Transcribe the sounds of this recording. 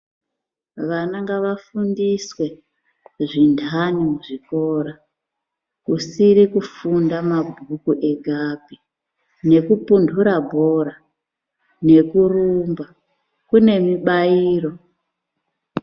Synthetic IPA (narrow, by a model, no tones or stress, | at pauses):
ʋanaŋɡaʋafundiswe̞ | ʐindʱanimuʐiko̞ːɾa | kusiɾikufundamabʱukuʔe̞ɡʱabʱi | ne̞kupundʱuɾabʱo̞ɾa | ne̞kurumba | kune̞miɓaiːro̞